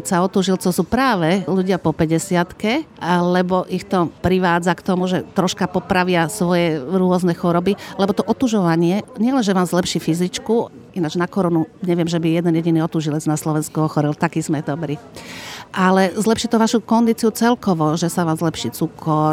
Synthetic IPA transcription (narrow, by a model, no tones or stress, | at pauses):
saɔt̪uʒilt͡sɔsuːpɾaːʋɛluɟɪapɔpɛɟɛsɪat̪kɛlɛbɔʔixt̪ɔpɾiʋaːd͡zakt̪ɔmuʒɛt̪ɾɔʃkapɔpɾaʋɪasʋɔjɛɾʊɔznɛxɔɾɔbilɛbɔt̪ɔʔɔt̪uʒɔʋaɲɪɛɲɪɛlɛnʒɛʋaːmzlɛpʃiːfizit͡ʃku | inad͡ʒnakɔɾɔnuɲɛʋɪɛmʒɛbijɛd̪ɛnjɛɟiniɔt̪uʒilɛd͡znaslɔʋɛnskuɔxɔɾilt̪akiːzmɛd̪ɔbɾi | ʔalɛzlɛpʃit̪ɔʋaʃukɔnd̪it͡siut͡sɛlkɔʋɔʒɛsaʋaːmzlɛpʃiːt͡sukʰɔɾ